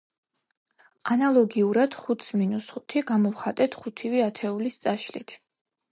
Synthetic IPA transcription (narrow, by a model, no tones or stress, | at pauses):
analˠɔɡiuɾad̪̥χut̪sminusχu̥t̪ʰiɡamɔvχat̪ʼɛt̪ʰχut̪ʰiviat̪ʰɛulist̪sʼaʃlit̪ʰ